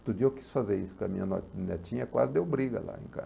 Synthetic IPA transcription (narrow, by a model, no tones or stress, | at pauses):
t̪ud͡ʒieki̥sfazeɾisʊkɐmĩɲɐno̰t͡ʃnet͡ʃĩɲɐkwa̰zɪd̪ewbɾiɡɐ̰la̰ḛ̃ka̰